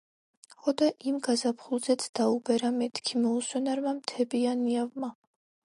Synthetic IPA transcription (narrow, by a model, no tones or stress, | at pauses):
χɔd̪aʔimɡazapʰχulˠzɛt̪sʰd̪̥aubɛɾamɛt̪ʰkʰimɔuswɛnaɾmamt̪ʰɛbianiavma